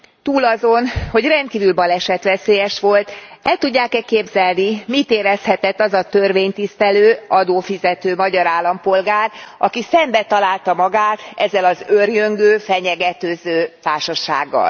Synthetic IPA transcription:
t̪uːlɒzo̞nho̞ɟrɛnt̪̚kiːvylbɒlɛʃɛt̪ʋɛseːjɛʃʋo̞lt̪ɛlt̪uɟːaːkɛkːeːbzɛlnimit̪eːɾɛshɛt̪ɛt̪ːɒzɒt̪ørʋeːɲt̪ist̪ɛløːɒd̪oːfizɛt̪øːmɒɟɒɾaːlːɒmpo̞lɡaːrʔɒkisɛmbɛt̪ɒlaːlt̪ɒmɒɡaːt̪ɛ̰zːɛlɒzørjøŋɡøːfɛɲɛɡɛt̪øːzøːt̪aːʃɒʃa̰ːɡːɒ̰l

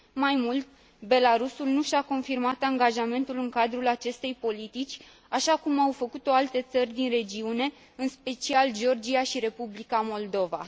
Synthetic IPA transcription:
majmult̪ | be̞laɾusulnuʃako̞nfirmat̪aŋɡaʒame̞nt̪ulɨŋkad̪ɾulat͡ʃe̞st̪e̞jpo̞lit̪it͡ʃʲ | aʃakumawfəkut̪o̞alt̪e̞t̪sərʲd̪inre̞d͡ʒiune̞ | ɨnspe̞t͡ʃiald͡ʒeo̞rd͡ʒiaʃiɾe̞publikamo̞ld̪o̞va̰

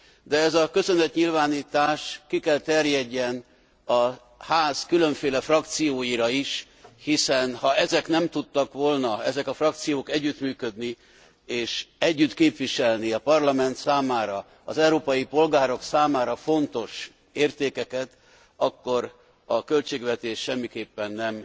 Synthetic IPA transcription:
d̪ɛɛzɒkø̞sø̞nɛt̪ɲilvaːniːt̪aːʃkikɛlt̪ɛrjɛɟːɛn | ɒ | haːz̥kylø̞ɱfeːlɛfrɒk̚t̪sijoːjiɾɒiʃ | hisɛnhɒɛzɛknɛmt̪ut̪ːɒkʋo̞lnɒɛzɛkɒfrɒk̚t̪sijoːkɛɟːyt̪myːkød̪ni | eːʃɛɟːyt̪keːpʋiʃɛlniɒpɒrlɒmɛnt̪saːmaːɾɒ | ɒ̰zɛuɾoːpɒjipo̞lɡaːɾo̞ksaːmaːɾɒfo̞nt̪o̞ʃ | eːrt̪eːkɛkɛt̪ | ɒkːo̞ɾ | ɒkø̞lt͡ʃeːɡʋɛt̪eːʃːʃɛmːikeːpːɛnːɛm

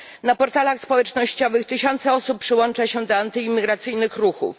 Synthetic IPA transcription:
napɔɾt̪alaxspɔwɛt͡ʂnɔɕt͡ɕɔvɘxt̪ɘɕɔnt̪sɛɔsuppʂɘwɔnt͡ʂaɕɛd̪ɔant̪ɘimʲːiɡɾat̪sɘjnɘxɾuxṵf

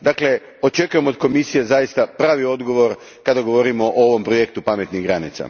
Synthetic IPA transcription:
d̪akle̞ | o̞t͡ʃe̞kuje̞mo̞d̪ko̞misijezajist̪apɾaːʋio̞d̪ɡo̞ʋo̞ɾ | kad̪aɡo̞ʋo̞ɾimo̞ʔooʋo̞mpɾo̞je̞k̚t̪upame̞t̪niɣɡɾanḭt̪sa̰

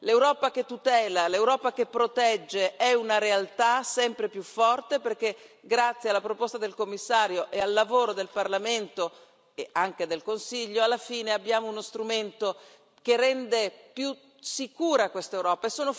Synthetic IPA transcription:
lewɾɔːpak̟et̪ːut̪ɛːlalewɾɔːpak̟epːɾot̪ɛd͡ʒːeʔɛunaɾealt̪asɛmpɾepjufːɔrt̪eperk̟e | ɡɾat̪sːjealːapɾopost̪ad̪elkomːisːaːɾjoʔealːavoːɾod̪elparlament̪o | eaŋk̟ed̪elkonsiʎːoalːafiːneabːjaːmounost̪ɾument̪o | k̟erːɛnd̪epju | sikuːɾakwest̪aewɾɔːpaesːoːno

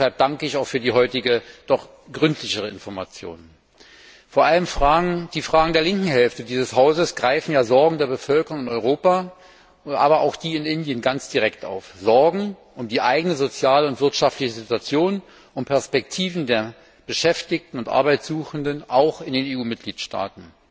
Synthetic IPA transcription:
ɛhalp̚d̥aŋkəɪçaʊxfyːɐdiːɦɔʏtɪɡəd̥ɔχ | ɡ̥ʁʏntʰlɪçəʁ̞əɪ̰nfɔɐma̰t͡sjo̰ːn | foːɐʔaləmfʁaːɡd̥iːfʁ̥aːɡŋ̩deːɐlɪŋkŋ̩ɦɛlftədiːzəshaʊzəsɡ̥ʁaɪfn̩jaːzɔɐɡŋ̩deːɐbəfœlkəʁʊŋɪnɔʏʁoːpa | ʔa̰ːbɐa̰ʊxd̥iːɪnɪndjənɡant͡sd̥iʁɛkta̰ʊfz̥ɔɐɡŋ̩ | ʔʊmdiːʔaɪɡənəzot͡sjaːləʊntv̥ɪɐtʃaftlɪçəzɪtuat͡sjoːn | ʔʊnpʰɛɐspɛk̚tʰiːvn̩deːɐ | b̥əʃɛftɪk̚tn̩ʊntʔa̰ɐbaɪtsz̥uːxn̩dənʔaʊxɪndeːneːuːmɪt̚ɡ̥liːtʃta̰ːtn̩

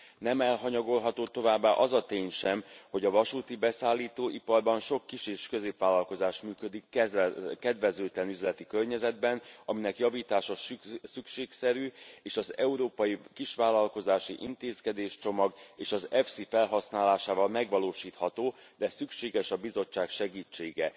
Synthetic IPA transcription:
nɛmɛlɦɒɲɒɡo̞lɦɒt̪oːt̪o̞vaːbːaːʔɒzɒt̪eːɲʃɛmho̞ɟɒvɒʃuːt̪ibɛsaːlːiːt̪oːʔipɒrbɒnʃo̞kːiʃeːʃkøzeːpʋaːlːɒlko̞zaːʃmyːkø̞d̪ikː | kɛd̪vɛzøːt̪lɛnyzlɛt̪ikørɲɛzɛd̪bɛnɒminɛkjɒviːt̪aːʃɒsykʃeːksɛɾyːeːʃɒzɛuɾoːpɒjikiʃʋaːlɒlko̞zaːʃiʔint̪eːskɛd̪eːʃt͡ʃo̞mɒɡeːʃɒzɛfsifɛlɦɒsnaːlaːʃaːvɒlmɛɡʋɒloːʃiːt̪hɒt̪oː | d̪ɛsykʃeːɡɛʃɒbizo̞t͡ʃːaːkʃɛɡiːt͡ʃːeːɡɛ

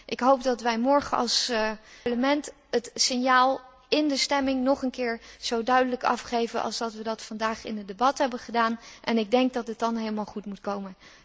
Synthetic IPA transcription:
ʔɪkɦowp̚dɑtʋɛjmɔɹχənɑ̰lˠsləmɛnt | ətsɪnjaːlˠ | ɪndəstɛmɪŋnɔχənkɪːɹz̥owdœɥdələkɑ̰fχejvənʔɑ̰lˠzdɑtʋədɑtfɑndaːχɪnədebɑtɦɛbənχədaːnʔɛnɪɡ̚dɛŋk̚dɑtətdɑnɦejləmaːlˠχutmutkowmən

